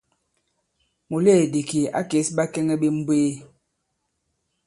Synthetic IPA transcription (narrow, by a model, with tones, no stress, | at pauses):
mo˨le˦˨de˨ki˨ʔa̰˦ke˨˦sba˦kɛ˦ŋɛ˦ɓe˦m̩˦bweː˦